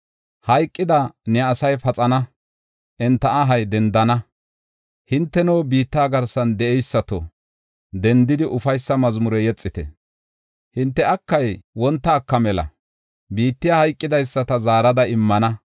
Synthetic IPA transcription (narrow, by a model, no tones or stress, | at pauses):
hɐjkʼːɪd̪ɐnɛɐsɐjfɐt͡sʼɐnɐ | ʔɛnt̪ːɐʔɐɦɐjd̪ɛnd̪ɐnɐ | hɪnt̪ːɛnɔwbiːt̪ːaːɡɐɾsɐnd̪ɛʔɛjsːɐt̪ɔ | d̪ɛnd̪ɪd̪ɪʔʊfɐjsːɐmɐzmʊɾɛjɛt͡sʼːɪt̪ɛ̰ | hɪnt̪ːɛɐkːɐjwɔnt̪ːɐːkːɐmɛlɐ̰ | biːt̪ːɪjahɐjkʼːɪd̪ɐjsːɐt̪ɐzaːɾɐd̪ɐɪmːɐnɐ